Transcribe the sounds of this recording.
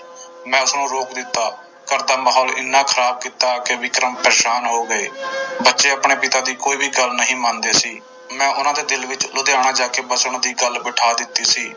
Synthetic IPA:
mɛ̃ːʊsnũːɾoːkd̪ɪt̪ːaː | kəɾd̪aːmaːɦɔːlɪ̰nːãːkʰəɾaːb̚kiːt̪aːkeʋɪkɾəmpɾeːʃaːnɦoːɡəeːbətːʃeːapɳeːpɪt̪aːd̪iːkoːiːbiːɡəlnəɦĩːmãːnd̪eːsiː | mɛ̃ːʔʊnãːd̪eːd̪ɪlʋɪt͡ʃlʊd̪eaːɽ̃aːd͡ʒaːkeːbəsəɳ̃d̪iːɡəlbɪʈʰaːd̪ɪt̪ːiːsiː

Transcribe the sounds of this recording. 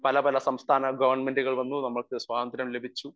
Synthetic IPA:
pɐlɐpɐlɐsɐmst̪ʰaːnɐɡɐʋɐrɳmenduɣɐɭʋɐnːunɐmːɐɭkɨsʋaːʋɐnt̪ɾjɐmlebʱit͡ɕːu

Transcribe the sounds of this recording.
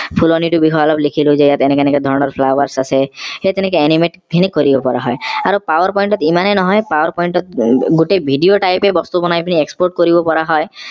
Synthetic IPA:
pʰulɔniʈubiɦʰɔalɔplikʰilud͡ʒejat̪enekeneked̪ʱɔɾɽ̃ɔɾpʰlawaɾsasehet̪enekeenimeʈɡʰʱinikɔɾibɔpɔɾaɦɔeaɾɔpawɔɾpɔjɳʈɔt̪imanenɔɦɔjpawɔɾpɔjiɳʈɔt̪̚ɡuʈebʱiɖioʈajpebɔst̪ubɔnajpiniekspoɾʈ̚kɔɾibɔpɔɾaɦɔe

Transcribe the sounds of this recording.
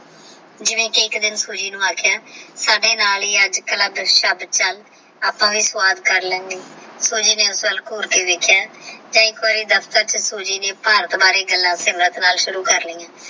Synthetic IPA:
d͡ʒɪʋẽːkɪɪkd̪ɪnsoːd͡ʒiːnũːaːkʰɪjaːsaːɖeːnaːliːəd͡ʒkələbʃəbt͡ʃəl | aːpãːʋiːsʋaːd̪kəɾlɛ̃ːnd̪iːsoːd͡ʒiːneːʊsʋəlkoːɾkeːʋeːkʰːjaːd͡ʒãːɪkʋaːɾiːd̪əfʰt̪əɾt͡ʃəsoːd͡ʒiːneːpaːɾət̪baːɾeːɡəlːãːsɪmɾət̪naːlʃʊɾuːkəɾliːãː

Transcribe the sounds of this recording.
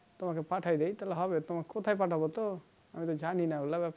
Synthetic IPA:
t̪ɔmakepaʈʰajd̪ejt̪alaɦɔbet̪ɔmakekɔt̪ʰajpaʈʰabɔt̪ɔ | amit̪ɔd͡ʒaninablabɛ

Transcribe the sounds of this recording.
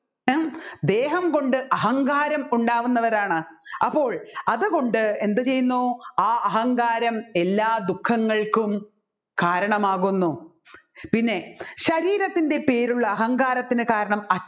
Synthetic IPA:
d̪e̞ːɦɐmko̞ɳɖɨʔɐɦɐŋɡaːɾɐmuɳɖaːʋunːɐʋɐɾaːɳɨɐpːo̞ːɭɐðuɣo̞ɳɖɨe̞nd̪ɨt͡ɕe̞jːunːoːaːʔɐɦɐŋɡaːɾɐme̞lːaːd̪ukʰːɐŋːɐɭkum | kaːɾɐɳɐmaːɣunːu | pinːe̞ɕɐɾiːɾɐt̪ːinde̞pe̞ːɾuɭːɐːɦɐŋɡaːɾɐt̪ːinɨkaːɾɐɳɐmɐ

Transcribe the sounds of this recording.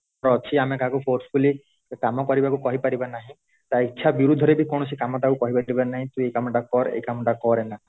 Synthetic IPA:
ɾɔt͡ʃʰiamekãkupʰoɾskʰuli | kamɔkɔɾibakukɔɦipaɾibanaɦĩ | t̪aikːt͡ʃʰabiɾud̪ʱɔɾebikɔɽ̃ɔsikamɔt̪akukɔɦipaɾibanaɦĩt̪ũekamɔʈakɔɾḛkamɔʈakɔɾena

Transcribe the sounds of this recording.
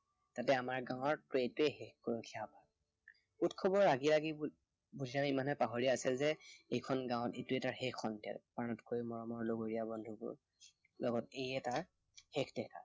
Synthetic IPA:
tatɛamaɹɡãw̃ɔɹtetʊɛɦekkoɹukʰiapa | utkʰɔbɔɹɹaɡilaɡi | budʱizanimanɔpaɦoɹiaːsilzɛejkʰɔnɡãwtetʊɛtaɹhekʰːɔntia̰tɛpanɔtkʰojmɔɹɔmɔɹloɡoɹijabɔndʱubʊ̰ɹ | lɔɡɔtejɛtaɹ | hekʰdɛkʰa̰

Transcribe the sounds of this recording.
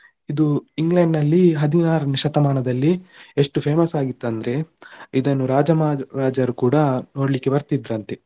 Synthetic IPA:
id̪uiŋɡlɐɳɖnɐlːiɦɐd̪inaːɾuniʃɐt̪ɐmaːnɐd̪ɐlːieʂʈupʰeːmɐsaːɡit̪ːuɐnd̪ɐɾe̞id̪ɐnːuɾaːd͡ʒɐmaːɾaːd͡ʒaːɾukuːɽɐno̞ːɽɐlikːebɐɾt̪id̪ɾɐnt̪e

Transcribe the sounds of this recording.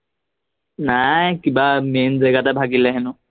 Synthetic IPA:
najkibamenzɛɡatɛbʱaɡilɛɦɛnʊ

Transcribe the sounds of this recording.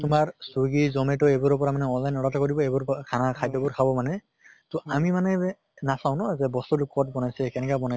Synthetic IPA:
tumaɹsuɹɡizɔmɛtɔejbuɹɔpɔɹamanɛɔnlajnɔɾatɔkoɹibɔejbuɹkʰanakʰajdɔbɔɹkʰabɔmanɛ | tɔamimanɛ | nasaw̃nɔzɛbɔstulukːɔt̚bɔnajsɛkɛnɛkabɔnaj

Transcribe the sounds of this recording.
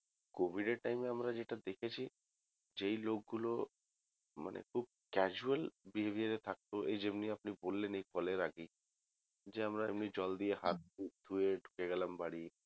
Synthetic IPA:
kobʱiɖeɾʈajmeamɾad͡ʑeʈad̪ekʰet͡ɕʰi | d͡ʑejlok̚ɡulo | ma̰nʔḛkʰub̚kɛd͡ʑuelbiɦebiaɾet̪ʰak̚t̪oʔejd͡ʑemniapnibolːenejkɔleɾaɡej | d͡ʑeamɾaemnid͡ʑɔld̪ijehat̪̚ud̪ʱueɖʱu̥keɡɛlambaɽi

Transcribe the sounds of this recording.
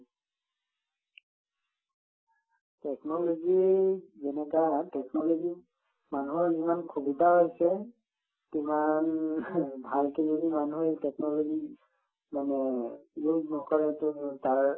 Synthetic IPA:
tɛknɔlozizɛnɛkatɛknɔlozi | manuɔɹzimankʰubidʱaɦojsɛ | kiman | bʱalkezodimanuetɛknɔlɔzi | manɛɹuɡnɔkɔɹɛtʊtaɹ

